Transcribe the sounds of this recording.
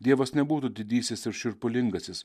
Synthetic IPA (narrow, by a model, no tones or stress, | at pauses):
d̪ʲiɛʋɐsnʲɛbuːt̪uːd̪ʲɪd̪ʲiːsʲɪsɪɾʃʲʊɾpʊlʲɪŋɡɐsʲɪs